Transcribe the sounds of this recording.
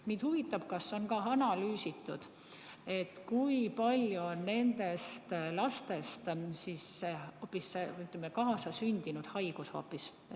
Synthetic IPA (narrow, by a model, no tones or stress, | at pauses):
niːd̪huvit̪ːˑɑb̥̚kɑsːeo̞nkɑɑnɑlyːsit̪ːˑud̪̥ | e̞t̪kujpɑlʲjuonːe̞nd̪e̞st̪lɑst̪e̞st̪sisːeoːpːisːeyt̪lemːekɑːsɑsynʲd̪̥inud̪̥hɑjɡ̥usho̰ːpːis